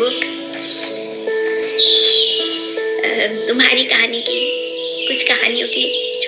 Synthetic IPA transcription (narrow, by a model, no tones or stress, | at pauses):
ʊk | t̪ʊmɦa̰ːɾikɐɦaːniki | kʊt͡ʃʰkɐɦa̰ːnijõkit͡ʃʰ